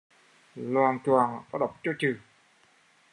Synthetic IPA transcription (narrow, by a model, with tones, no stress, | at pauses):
lwaː˨˩nt͡ɕwaː˨˩nkɔ˨˦˥ɗə˨˩wk͡p̚t͡ɕɔ˧t͡ɕɨ˨˩